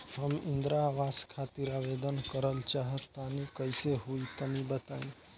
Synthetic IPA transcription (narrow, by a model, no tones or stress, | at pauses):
həmind̪ɾaːʋaskʰat̪iɾabed̪ənkəɾəlt͡ʃaɦət̪ːanikəjseɦuit̪ənibət̪ai